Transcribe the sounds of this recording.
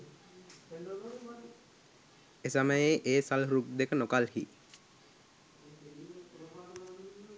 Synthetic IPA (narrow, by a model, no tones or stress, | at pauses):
esaməjeʔeːsalɦɾuk̚d̪ekənokalhḭ